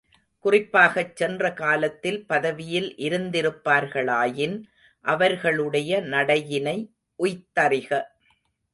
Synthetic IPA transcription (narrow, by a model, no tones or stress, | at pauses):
kʊrɪpːaːɣɐt͡ʃːɛndrɐkaːlɐt̪ːɪlpɐðɐʋɪjɪlʔɪɾɯnd̪ɪɾɯpːaːɾɣɐɭaːjɪn | ʔɐʋɐɾɣɐɭɯɽɐjɐnɐɽɐjɪnɐɪ | ʔʊjt̪ːɐrɪɣɐ